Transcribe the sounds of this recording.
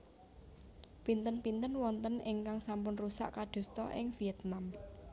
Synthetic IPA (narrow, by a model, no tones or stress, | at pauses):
pint̪ənpint̪ənwɔnt̪ənɪŋkaŋsampʊnrusa̰ʔkaɖ̪̥ṳst̪ɔ̰ʔɪ̰ŋfiɛt̪nam